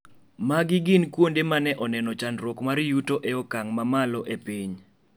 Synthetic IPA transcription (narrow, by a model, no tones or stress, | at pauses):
maɡɪɡɪnkwondemanɛʔɔnɛnɔt͡ʃanɾokmaɾjutoʔɛɔkaŋmamalɔʔepiɲ